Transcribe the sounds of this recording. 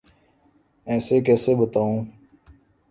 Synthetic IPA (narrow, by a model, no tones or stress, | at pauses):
ɛ̃ːseːkɛːseːbət̪aːũː